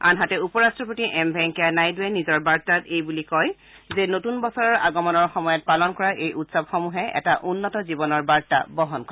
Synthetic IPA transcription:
a̰nɦatɛupɔɹastɹɔp̬otiʔɛmbʱɛŋkianajduɛnizɔɹbaɹtatejbulikɔj | zɛnotunbɔsɔɹɔɹa̰ɡɔmɔnɔɹxɔmɔjɔt̚palɔnkɔɹaʔejʔutsabxɔmuɦɛɛ̰taʔunːɔtɔzibɔnɔɹbaɹta̰bɔɦɔnkɔ

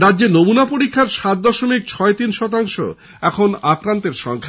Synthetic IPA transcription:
ɾad̪ːʑenomunapoɾikʰːaɾʃat̪̚d̪ɔʃomik̚t͡ɕʰɔet̪inʃɔt̪̬aŋʃo̰ | ɛkʰonakɾant̪eɾʃɔŋkʰa

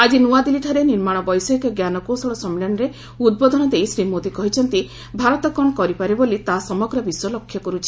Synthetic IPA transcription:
ad͡ʒinuad̪iliʈʰɔɾeniɾmaɽ̃ɔbɔjsɔɦikɔɡjanɔkosɔɭɔsɔmilɔnɔɾe | ud̪̚bɔd̪ʱɔnɔd̪ejsɾimod̪ikɔɦit͡ʃʰɔnt̪i | bʱaɾɔt̪ɔkɔɳkɔɾipaɾebolit̪asɔmɔɡɾɔbiswɔlɔkʰːjɔkɔɾut͡ʃʰi̥

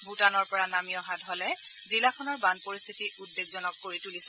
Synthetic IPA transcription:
bʱutanɔɹpɔɹanamijɔɦadʱɦɔlɛ | zilakʰɔnɔɹbanpoɹist̪ʰitiʔudbeɡzɔnɔkːoɹitulisɛ

